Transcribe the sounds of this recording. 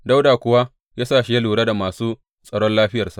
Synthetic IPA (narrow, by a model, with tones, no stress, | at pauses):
da˦wdaː˨kʷʊ˨wa˦ | jaː˦saː˦˨ʃi˦ja˦luː˨ɽa˦da˨maː˨suː˦ | sʼɐ˨ɽɔ˦nlaː˦ɸɪ˦jɐ˨rsa̰˨ʔ